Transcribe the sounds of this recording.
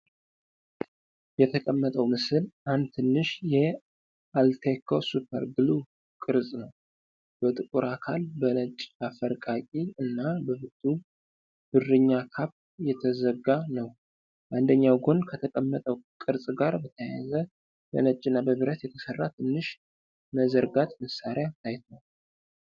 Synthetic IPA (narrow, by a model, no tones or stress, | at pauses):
jɛt̪ʰəkʼəmːət̪ʼəwmɨsɨlʔand̪̚t̪ʰɨnːɨʃjɛ | ʔalt̪ʰekʰosupʰə̰ɾɡɨlu | kʼɨɾsʼnəw | b̥ət̪ʼɨkʼuɾakʰalbənət͡ʃʼːafəɾkʼakʼiɨnːabəbɨt̪ʼːu | b̥ɨrːɨɲːakʰap | jɛt̪ʰəzəɡanəw | ʔand̪əɲːawɡo̞nkʰət̪ʰəkʼəmːət̪ʼəwkʼɨɾsʼɡaɾbət̪ʰəjazə | b̥ə̰nət͡ʃʼːɨnːabəβɨɾət̪jɛt̪ʰəsərːat̪ʰɨnːɨʃ | məzəɾɡat̪ʼməsaɾat̪ʰajt̪ʰow